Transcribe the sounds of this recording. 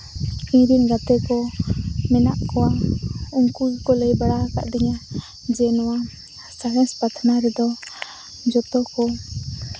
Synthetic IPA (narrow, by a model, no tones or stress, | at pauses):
ĩɾinɡat̪ɛkɔmɛnaʔkɔwauŋkulkɔləjbaɽaka̰ʔɖiɲa | d͡ʒɛnɔwa | saɦɛspat̪ʰnaɾɛd̪ɔ | d͡ʒɔt̪ɔkɔ